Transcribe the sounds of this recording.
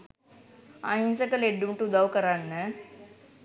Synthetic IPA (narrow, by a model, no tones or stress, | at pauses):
ã̰ĩnsəkəleɖːumʈud̪awkəɾanːə